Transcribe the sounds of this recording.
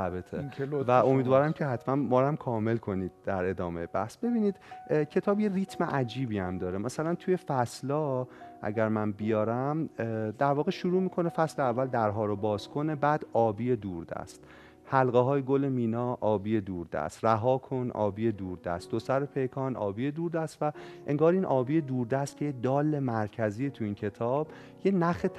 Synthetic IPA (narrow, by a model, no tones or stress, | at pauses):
æbet̪ʰevæo̞miːd̪vɒːɾæmcʰehæt̪ʰmænmɒːɾæmkʰɒːme̞lkʰo̞niːd̪̥̚d̪æɾe̞d̪ɒːmejebæ̰hsb̥e̞biːniːd̪̥cʰe̞t̪ʰɒːbjerit̪ʰmeʔæd͡ʒiːbiːæmd̪ɒːɾemæsælænt̪ʰuːje̞fæslɒːʔæ̰ɟæɾmænbijɒːɾæmd̪æɾvɒːɣeʃuɾuːmiːkʰo̞ne̞fæsleævːæld̪æɾɦɒːɾobɒːzkʰo̞ne̞bæːd̪ɒːbiːjed̪uːɾd̪æ̰st̪ | hælɣeɦɒːjeɡolemiːnɒːʔɒːbiːjed̪uːɾd̪æ̰st̪ɾæɦɒːkʰonʔɒ̰ːbiːed̪uːɾd̪æ̰st̪d̪osæɾepʰe̞jkʰɒːnʔɒ̰ːbijed̪uːɾd̪æst̪væʔe̞ŋɡɒːɾiːnʔɒːbiːje̞d̪uːɾd̪æst̪̚cʰe̞jed̪ɒːle̞mæɾcʰæziːet̪ʰuiːncʰe̞t̪ʰɒːb̥ | jenæχe